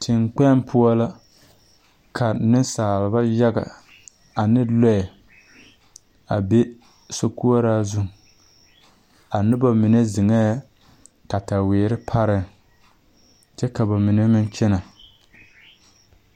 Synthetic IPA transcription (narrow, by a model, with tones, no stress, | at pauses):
tʰɪ˨ŋk͡pɛ˦mpʰʊ˦a˦la˦ | kʰa˨nɪ˦saː˨lɪ˨ba˦ja˦ɡa̰˨ | a˨nɪ˦lɔ˦ɛ˨ | a˨be˦ | so˦ku˦a˦ɾaː˦zʊ˦ŋ˨ | a˨nɪ˦ba˨mi˨ne˦zɪ˨ŋɛ˦ | ka˨ta˨weː˨ɾɪ˦pʰa˦ɾɪ˦ŋ | t͡ʃɛ˦ka˨ba˨mɪ˨ne˦mɪ˦nt͡ʃɛ˦na˨